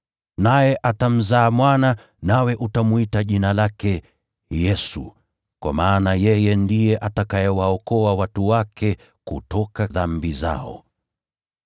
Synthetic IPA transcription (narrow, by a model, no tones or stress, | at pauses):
najɛʔatam̩zaːmwana | nawɛʔutamwitaʄinalakɛ | jɛsṵ | kwa̰maːnajɛjɛndijɛʔatakajɛwaɔkɔawatuwakɛ | kutɔkaðambiza̰ɔ̰